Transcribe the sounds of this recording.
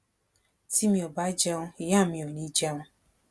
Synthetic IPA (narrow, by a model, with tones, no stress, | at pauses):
ti˦mi˨ɔ˨ba˦d͡ʒa˦ŋʊ˦˨ja˦˨mi˨o˨ni˦d͡ʒa˦ŋʊ˦